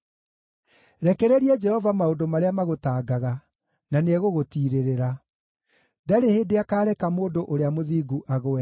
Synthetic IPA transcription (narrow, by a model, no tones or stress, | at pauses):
ɾɛkɛɾɛɾiɛd͡ʒɛhɔvamaodomaɾeamaɣotaːɡaɣa | naneɛɣoɣotiːɾeɾeɾa | daɾeheːndeakaːɾɛkamoːndoʔoɾeamoðiːɡuʔaɣoɛ